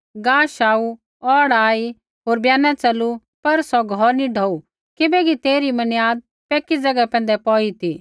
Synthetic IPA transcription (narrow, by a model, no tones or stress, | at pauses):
ɡaːʃaːu | ɔːɽaːi | ɦoːɾbjaːnat͡sɐlːu | pɐɾsɔɡʱɔɾnĩɖʱɔːu | kɪbɛkit̪eːɾimɐnjaːd̪̚ | pɛːkid͡zɐɡapɛ̃ːnd̪ɛpɔːit̪iː